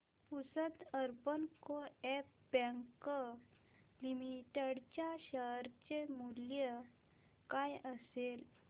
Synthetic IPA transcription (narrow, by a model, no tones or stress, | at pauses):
pusət̪əɾbənkoɛp̚ | bə̃ŋkə | limiʈəɽt͡ɕjaɕəɦɾt͡ɕemuljə | kajəsel